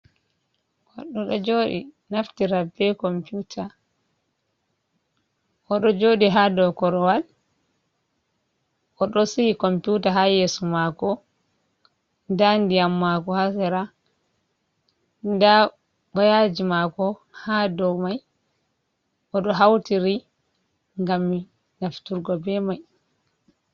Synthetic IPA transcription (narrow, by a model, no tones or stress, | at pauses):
kaɗːɔɗɔd͡ʒoːɗḭ | naftiɾabɛkɔmputʰa | ʔɔɗɔd͡ʒoɗiɦadɔwkɔɾɔwal | ʔɔɗɔsihikɔmputaɦajeːsumakɔ | ndandijamːakɔhasɛɾa | nda | bajad͡ʒimakɔ | hadɔwmaj | ʔɔɗɔɦawtiɾi | ŋɡamːi | naftuɾɡɔbɛmaj